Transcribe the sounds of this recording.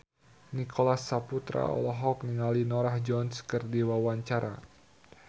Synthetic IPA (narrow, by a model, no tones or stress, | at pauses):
nikʰolasːaput̪ɾa̰ɔ̰lɔɦɔk̚niŋalinɔɾahd͡ʒɔnskərdiwawaɲt͡ʃaɾa̰